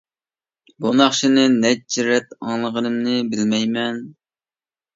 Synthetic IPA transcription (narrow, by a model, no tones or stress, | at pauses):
bunɑχʃinɨnɛt͡ʃʰːiɾɛt̪ɑŋlˠəʁənɨmnɨbɪlmɛjmɛn